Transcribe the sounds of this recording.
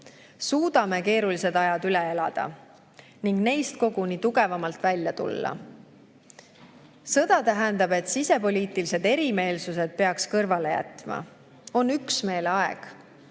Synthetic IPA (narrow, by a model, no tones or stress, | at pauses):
suːd̪̥ɑme̞ke̞ːɾulise̞d̪ɑjɑd̪yle̞e̞lɑ̰d̪̥ɑ̰ | niŋɡ̥ne̞jst̪̚ko̞ɡ̥uniːt̪uɡ̥e̞vɑmɑlt̪vælʲjɑt̪ṵlːɑ̰ | sɤ̞d̪̥ɑt̪æɦænd̪̥ɑb̥e̞t̪sise̞po̞lʲiːt̪ilise̞d̪e̞ɾime̞ːlsuse̞d̪̥̚pe̞ɑkskɤrvɑle̞jæ̰t̪ˑmɑ̰ | o̞nːyksme̞ːlɑḛɡ̥